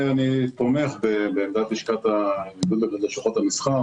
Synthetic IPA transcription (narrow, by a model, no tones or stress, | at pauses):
anipomeχbebeːmd̪at̪iʃkat̪aiɡud̪eleʃoχot̪amisχa